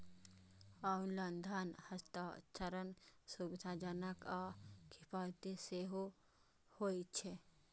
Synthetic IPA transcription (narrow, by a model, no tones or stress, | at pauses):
aːulɐnd̪ʱanhɐst̪at͡ʃəɾənsubɪd̪ʰʱaːd͡ʒanəkakʰɪpaːt̪iseːɦo | hoːit͡ʃʰe